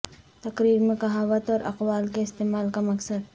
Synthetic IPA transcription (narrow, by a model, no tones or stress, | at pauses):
t̪ɐkɾiːɾmẽkɐɦaːʋət̪ɔːɾʔɐ̰qwaːlkeɪst̪eːmaːlkamɐksəd̪̚